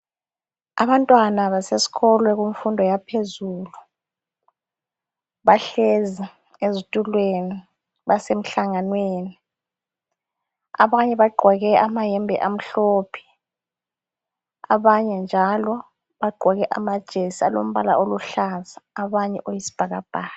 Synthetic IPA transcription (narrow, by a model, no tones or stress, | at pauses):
a̰βantʼwanaβasesi̥ɣɔlwɛɣuɱ̩fundʱɔjapʰezuːlu | βaɬezi | ezitʼulweni | βasem̩ɬaŋanweːni | a̰βaɲɛβaɡ͡ǃʱɔɣɛamajɛmbʱɛ̰ʔam̩ɬoːpʰi̥ | a̰βaɲɛnd͡ʒʱalɔ | βaɡ͡ǃʱɔɣɛʔa̰mad̥ʒ̥ʱesialo̰m̩βala̰ʔoluɬazaːβaɲɛ̰ʔojisi̥b̥ʱaɣab̥ʱaːa